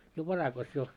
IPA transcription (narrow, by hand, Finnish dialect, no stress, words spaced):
jo ʋɑrɑkɑs jo